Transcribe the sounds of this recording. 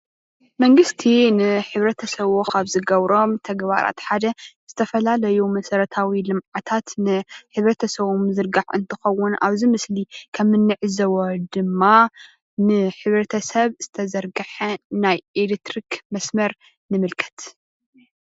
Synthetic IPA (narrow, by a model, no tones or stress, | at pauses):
mɐŋɡɨst̪ʰinɨħɨβɾɐt̪ʰɐsɐβokaβzɨɡɐβɾo̞mt̪ʰɐɡβa̰ɾa̰t̪ħad̪ɐz̥ɨt̪ʰɐfɐlalɐjumɐsɐɾɐt̪ʰawilɨmʕat̪ʰat̪nɨħɨβɾɐt̪ʰɐsɐβumzɨɾɡaʕɨ̰nt̪ʰɨxɐwːʊnʔa̰βzimɨslikʰɐmːɨnːɨʕɨzɐwod̪ɨmːa | nɨħɨβɾɐt̪ʰɐsɐβz̥ɨt̪ʰɐzɐɾɡɨħɐnajelekt̪ɾikmɐsmɐɾ | nɨmɨlkʰɐ̥t̪